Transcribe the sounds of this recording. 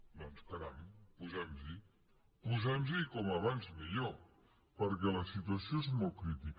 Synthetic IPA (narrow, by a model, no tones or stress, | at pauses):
d̪ɔnspəɾampuzɛmzi | puzɛmzikɔməβ̞anzmiʎo | pəɾkɛləsit̪uəsioezmɔlˠkɾit̪ik